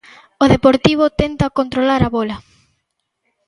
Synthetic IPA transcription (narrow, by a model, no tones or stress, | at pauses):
oðepoɾt̪iβ̞ot̪ent̪ɐkont̪ɾolaɾaβolɐ